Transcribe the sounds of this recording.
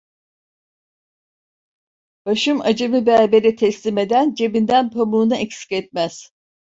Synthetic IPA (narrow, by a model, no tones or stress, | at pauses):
b̥aʃɯmad͡ʒɯmɯbæːbeɾɛt̪ʰɛslʲime̞d̪ænd͡ʒe̞bind̪ænpʰamuːnɯʔɛcsi̥cɛt̪̚mæz̥